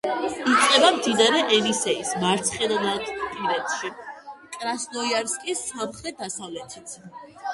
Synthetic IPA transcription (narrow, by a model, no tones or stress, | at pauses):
it̪sʼqʼɛbamd̪id̪aɾɛʔɛlisɛismaɾt̪sʰχɛd̪ad̪at̪pʼiɾɛt̪ʰʃikʼɾasnɔiaɾskʼisːamχɾɛt̪̚d̪asavlɛt̪ʰit̪sʰ